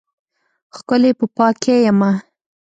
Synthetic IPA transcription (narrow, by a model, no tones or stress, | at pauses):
xkəlepəpɑkʰejama